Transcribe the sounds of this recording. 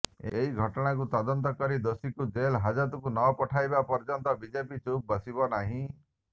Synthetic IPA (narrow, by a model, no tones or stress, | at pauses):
eɦiɡʱɔʈɔɽ̃ak̬ut̪ɔd̪ɔnt̪ɔkɔɾid̪osikud͡ʒelɦad͡ʒɔt̪ukunɔpɔʈʰajbapɔɾd͡ʒɔnt̪ɔbid͡ʒepit͡ʃup̚bɔsibɔnaɦĩ